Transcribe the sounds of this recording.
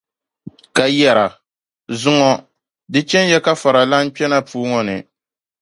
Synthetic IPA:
ka˨jɛ˨ɾa˨ | zʊ˦ŋɔ˦ | dɨ˦t͡ʃɛ˦n˦jɛ˦ka˦fa˨ɾa˨la˦n˦pɛ˦na˦puː˦ŋɔ˨nɨ̰˨

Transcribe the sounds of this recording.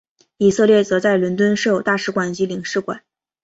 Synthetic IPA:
i˨˩sɤ˥˧ljɛ˥˩t͡sɤ˧˥t͡sa˥˩ɪlə˧˥nt̪wə˥nʂo˥˩ʊt̪a˥˩ʂɻ̩˧˥kwa˨˩nt͡ɕi˧˥li˨˩ŋʂɻ̩˥˩kwa̰˨˩˦n

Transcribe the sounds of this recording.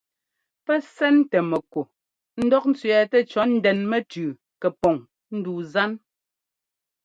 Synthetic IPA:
pɛ˦sɛ˦ntɛ˨mɛ˨ko˨ | n̩˦dɔ˦k̚n̩˦t͡sɥɛ˨tɛ˦t͡ʃɔ˦n̩˦dɛ˨nmɛ˦tʉː˨ | kɛ˨pɔ˨ŋ | n̩˦duː˨za˦n

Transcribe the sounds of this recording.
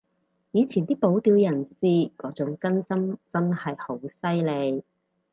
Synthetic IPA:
jiː˨˧t͡sʰiː˨˩nt̪iː˥po˨˥wt̪iː˨˧wjɐ˨˩nsiː˨˧kɔː˨˥t͡sʊ˨˥ŋt͡sɐ˥nsɐ˥mt͡sɐ˥nhɐ˨jho˨˥wsɐ˥jle˨˧j

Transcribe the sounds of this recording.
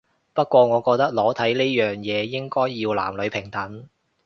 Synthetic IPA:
pɐ˥t̚kʷɔː˧ŋɔː˨˧kɔː˧k̚t̪ɐ˥k̚lɔː˨˥t̪ʰɐ˨˥jne˥jœː˨ŋjɛː˨˧jɪ˥ŋkɔː˥jːiː˧wla̰ː˨˩mlɵ˨˧ɥpʰɪ˨˩ŋt̪ʰɐ˨˥n

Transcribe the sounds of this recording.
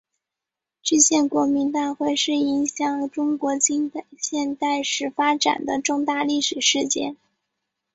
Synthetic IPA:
ʈ͡ʂ̩˥˧ɕjɛ˥˩nkwɔ˧˥mi˧˥nt̪a˥˧xwe˥˧ɪʂɻ̩˥˩i˧˥ŋɕjɑ˨˩ŋʈ͡ʂʊ˥ŋkwɔ˧˥t͡ɕi˥ŋpe˨˩ɕjɛ˥˧nt̪a˥˩ɪʂɻ̩˥˩fa˥ʈ͡ʂa̰˨˩nd̪ə˦ʈ͡ʂʊ˥˧ŋt̪a˥˧li˥˩ʂɻ̩˨˩ʂɻ̩˥˧t͡ɕjɛ̰˥˩n

